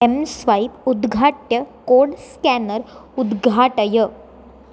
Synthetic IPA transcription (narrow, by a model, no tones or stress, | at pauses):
emsʋaipud̪ɡʱaʈjəkoɾɽskænəɾud̪ɡʱaʈəjə